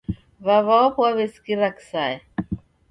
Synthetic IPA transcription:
βaβaɔpwaβeskiɾaksaɛ

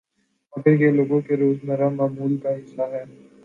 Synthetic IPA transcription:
ɐkɪɾkeloːɡõkeɾoːznɐɾamaːmuːlkaɦɪsːaɦɛː

